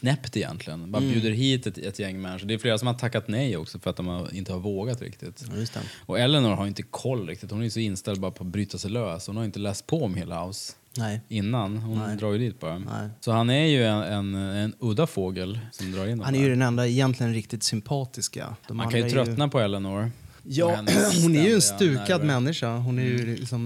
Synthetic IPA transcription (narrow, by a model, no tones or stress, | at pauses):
nɛpt̪ɪjɛ̰nt̪lɪɡənbɑːɾabjʉ̟ːd̪əɾɦiːt̪ɛt̪ɛt̪jɛŋːmɛnːʂɔd̪ɛjʏfleːɾasɔmhat̪ʰakːat̪nɛjɔ̰ksɔfœɾat̪̚d̪ɔmaɪ̰nt̪əhaɾvoːɡat̪ɾɪ̰kt̪ɪt̪jst̪ɛ̰ɔɛlːɛnʊɾhaɾjʏɪnt̪əkʰɔlːɾɪkt̪ɪt̪hʊnæɾjʏsɔɪnːst̪ɛld̪bɑːɾapʰɔat̪̚bɾyːt̪asɛjløːshʊnhajʏɪnt̪əlɛːst̪̚pʰɔɔmheːlaha̰ʊs | ɛɪnːanhʊnd̪ɾɑːɾjʏd̪iːt̪̚bʰɑɾɛm̰sɔhanæɾjɵɛɛnɛnɵd̪afoːɡəlsɔmd̪ɾɑːɾɪnd̪hanɛjɵd̪ɛnɛnd̪aɛjɛnt̪lɪɡənɾɪkt̪ɪt̪sʏmpʰɑːt̪ɪska̰dd̥̪ɔmaŋkʰanjʏt̪ʰɾœt̪napʰɔɛlːɛnɔɾjɑːɛhʊnæɾjɵɛnst̪ʉ̟ːkad̪mɛnːɪʂaɦʊnæɾjɵlɪ̰ksɔm